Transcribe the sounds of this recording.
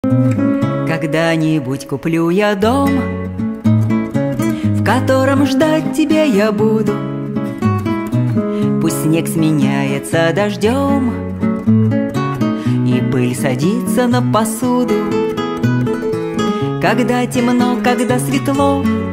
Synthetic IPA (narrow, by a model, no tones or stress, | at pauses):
kɐɡd̪anʲɪbutʲkʊplʲujad̪om | fkɐt̪o̞ɾəmʐd̪at̚ʲtʲːɪbʲejabud̪ʊ | pusʲtʲnʲeksmʲɪnʲajɪt̪səɐd̪ɐʐdʲom | ibɨlʲsɐdʲit̪sənəpɐsud̪ʊ | kɐɡd̪atʲɪmnokɐɡd̪asvʲɪt̪lˠo